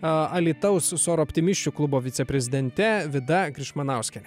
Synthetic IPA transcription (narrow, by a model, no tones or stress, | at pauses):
ɐlʲiːt̪ɐʊssoːɾɔpʲt̪ʲɪmʲɪʃʲt͡ʃʲuklˠʊboːʋʲɪt̪sʲɛpʲɾʲɛzʲɪd̪ʲɛnʲt̪ʲɛʋʲɪd̪ɐɡɾʲɪʃmɐnɐˑʊsʲkʲɛ